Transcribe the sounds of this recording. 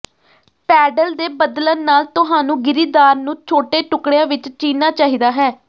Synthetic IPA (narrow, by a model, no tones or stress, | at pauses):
pɛːɖəld̪eːbəd̪lənːaːlt̪ʊɦaːnũːɡɪɾiːd̪aːɾnũːt͡ʃʰoːʈeːʈʊkɽejãːʋɪt͡ʃt͡ʃiːnaːt͡ʃaːɦiːd̪aːɦɛː